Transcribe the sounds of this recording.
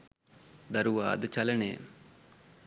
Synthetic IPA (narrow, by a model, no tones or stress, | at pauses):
d̪ɐɾuʋa̰ːd̪t͡ʃɐləɳḛː